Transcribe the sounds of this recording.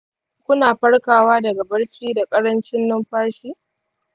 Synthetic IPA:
kʷʊ˦naː˨ɸɐ˦ɽkaː˨waː˦dɐ˨ɡa˨bɐ˦ɽt͡ʃiː˦da˨kʼɐ˦ɽɐ˦nt͡ʃɪ˦nːʊ˦mɸaː˦ʃiː˦

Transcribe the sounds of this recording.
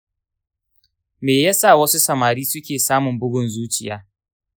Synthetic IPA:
meː˨jaː˦sa˦˨wɐ˦su˦sɐ˨maː˨ɾiː˦sʊ˦kʲeː˨saː˦mʊ˨mbʊ˦ɡʷʊ˨nzuː˦t͡ʃɪ˨jaː˦

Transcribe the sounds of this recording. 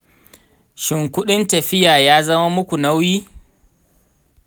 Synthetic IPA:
ʃɪ˨ŋkʷʊ˦ɗɪ˦ntɐ˨ɸɪ˦jaː˨jaː˦zɐ˦ma˦mʊ˦kʷu˨na˦wjiː˦

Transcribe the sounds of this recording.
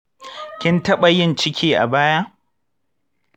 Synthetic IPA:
kʲɪ˦ntɐ˦ɓɐ˨jɪ˦nt͡ʃɪ˦kʲʰiː˦ʔa̰˨baː˦jaː˦

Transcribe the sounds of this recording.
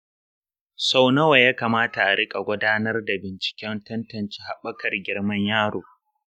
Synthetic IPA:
sa˦wnɐ˦wa˨jaː˦kaː˨maː˦ta˨ʔa˨ɽɪ˦kʼa˨ɡʷʊ˦daː˦nɐ˦rda˨bɪ˨nt͡ʃɪ̥˨kʲɛ˦ntɐ˦ntɐ˨nt͡ʃiː˦ha˨ɓɐ˦kɐ˨rɡʲɪ˦ɽmɐ˦ɲjaː˦ɽoː˨

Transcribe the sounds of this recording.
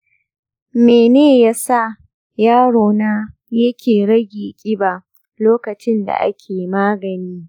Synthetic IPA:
meː˨neː˦˨ja˦sa˦˨ | jaː˦ɽoː˨naː˦ | jɐ˦kʲʰeː˨ɽɐ˦ɡʲiː˨kʲʼɪ˦ba˨ | loː˦kɐ˨t͡ʃɪ˦nda̰˨ʔa̰˦kʲʰeː˨maː˦ɡɐ˨niː˦

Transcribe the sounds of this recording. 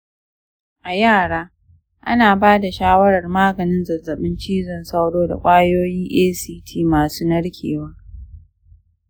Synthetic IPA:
ʔa˨jaː˦˨ɽaː˦ | ʔa̰˦naː˨baː˦da˨ʃaː˦wɐ˦ɾɐ˨rmaː˦ɡɐ˨nɪ˦nzɐ˨zːɐ˨ɓɪ˦nt͡ʃiː˦zɔ˦nsa˦wɽoː˦da̰˨kʷʼaː˦joː˦jiː˦ʔeː˦siː˦tʰiː˦maː˨suː˦nɐ˦ɽkʲʰḛː˨wa˦

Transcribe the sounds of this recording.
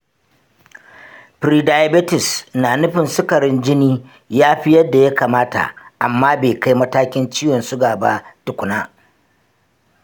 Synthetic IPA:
ɸɾiː˨da˨ja˦bɪ˦tɪ˨snaː˨nʊ˦ɸɪ˨nsʊ˦kɐ˨ɾɪ˦nd͡ʒɪ˦niː˦ | jaː˦ɸɪ˦jɐ˦dːa˨ja˦kaː˨maː˦ta̰˨ʔa˨mːaː˦beː˨ka˦jmɐ˦taː˦kʲɪ˦nt͡ʃiː˦jwɔ˨nsʊ˦ɡaː˨ba˦tʊ˨kʷʊ˨naː˦

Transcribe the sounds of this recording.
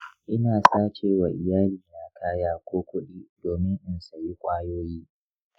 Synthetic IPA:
ʔɪ˦naː˨saː˦t͡ʃeː˦wa˨ʔɪ˨jaː˦liː˨jaː˨kʰaː˦jaː˦kʷʰoː˦kʷʊ˦ɗiː˦doː˨mɪ˦ŋʔʊ˦nsa˨ji˦kʷʼaː˦joː˦jiː˦

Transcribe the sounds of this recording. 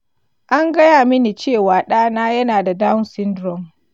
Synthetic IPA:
ʔa˦ŋɡɐ˦jaː˨mɪ˦ni˨t͡ʃeː˦˨waː˨ɗaː˦naː˦jɐ˦naː˨da˨daː˦wsɪ˦ndɾɔ˨ŋ

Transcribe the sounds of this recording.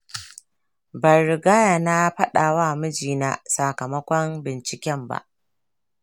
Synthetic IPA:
bɐ˨ɾɪ˨ɡaː˦ja˨na˦ɸɐ˦ɗaː˨waː˦mɪ˦d͡ʒiː˨na˦sa˨kɐ˨mɐ˦kʷɔ˦mbɪ˨nt͡ʃɪ˨kʲɛ˦mba̰˦˨ʔ

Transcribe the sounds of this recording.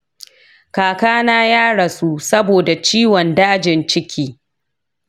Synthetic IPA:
kaː˨kaː˦naː˦jaː˦ɽɐ˨su˦sɐ˦boː˨da˨t͡ʃiː˦wɔ˨ndaː˦d͡ʒɪ˨nt͡ʃɪ˦kʲʰiː˦

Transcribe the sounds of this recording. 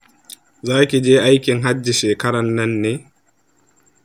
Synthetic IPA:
zaː˦kʲi˨d͡ʒeː˦ʔa˦jkʲɪ˨ŋɦa˦d͡ʒːi˨ʃeː˨kɐ˦ɾɐ˨nːɐ˦nːeː˨

